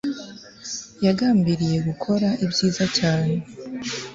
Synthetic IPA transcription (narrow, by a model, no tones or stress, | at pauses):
jaɡaːmbiɾije̞ɡukʰo̞ɾaʔibɟiːzacaːne̞